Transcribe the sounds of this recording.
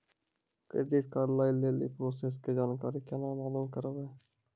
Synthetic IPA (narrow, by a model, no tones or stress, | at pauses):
kɾḛːɖɪʈ̚kaːɾlaːileːlḭpɾoːseːs̬ked͡ʒaːnkaːɾikenãːmaːluːmkəɾəʋeː